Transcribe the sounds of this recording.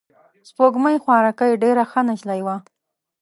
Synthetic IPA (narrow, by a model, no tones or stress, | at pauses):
spoɡmajxwɑɾakajɖeɾaxanaʃlajwa